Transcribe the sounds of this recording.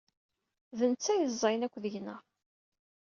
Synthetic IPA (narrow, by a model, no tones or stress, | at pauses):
ðənt͡sːæjəzˤːɑjnækʷːðəʝnəʁ